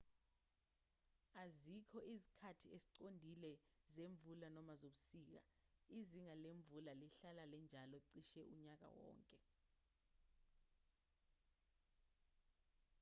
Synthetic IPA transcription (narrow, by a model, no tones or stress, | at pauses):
azikʰɔʔizi̥kʰatʰiesi̥ǃondʱilɛzeɱb̪vulanɔmazoɓusiːk̬a̰iziŋaleɱb̪vulaliɬalalɛnd͡ʒʱalɔǀiʃɛʔuɲak̬a̰wɔ̰ːŋkʼɛ